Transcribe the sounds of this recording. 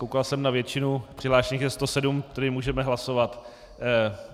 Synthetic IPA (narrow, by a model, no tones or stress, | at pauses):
kowkalsɛmnavjɛt͡ʃɪnupr̥ɪɦlaːʃɲiːxjɛst̪osɛdumt̪ɛdɪmuːʒɛmɛɦlasovat̪